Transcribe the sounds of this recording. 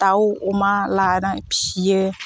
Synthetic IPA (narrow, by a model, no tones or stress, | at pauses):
t̪awoomãlanãpije